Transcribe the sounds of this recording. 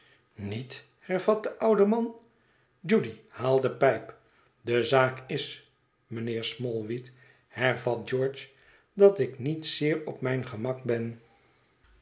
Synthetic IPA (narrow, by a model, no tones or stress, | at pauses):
nit | hɛɹvɑt̚d̪əʔʌwdəmɑn | d͡ʒudihaːlˠdəpɛjp | dəzaːkɪs | mənɪːɹsmɔlˠʋit | hɛɹvɑt̚d͡ʒɔɹt͡ʃ | dɑtɪknitsɪːɹɔpmɛjnχəmɑk̚bɛn